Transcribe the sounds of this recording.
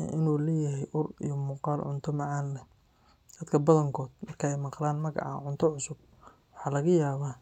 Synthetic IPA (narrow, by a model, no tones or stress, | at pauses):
ɛ̰ʔɪnuːlɛːjɐɦɛjʔʊrḭjɔmuːqɑːlʕʊ̰nt̪ʰɔmɑʕɑːnlɛ | d̪̥ɐd̪kʰɐbɐðɐŋkʰɔːd̪̥̚mɐrkʰɐɛjmɑqlaːnmɐɣɑ̰ʕɑ̰ːʕʊnt̪ʰɔʕʊsʊb̥̚ | wʊħɑːlɐɣɐjaːβaː